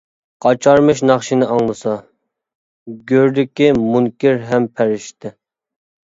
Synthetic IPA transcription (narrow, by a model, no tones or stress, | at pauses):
qʰɑt͡ʃʰɑɾmɨʃnɑχʃinɪʔɑŋlˠɨsɑ | ɡʲøɾd̪ɪkʲimuŋkʲiɾɦɛmpʰæɾɪʃt̪ɪ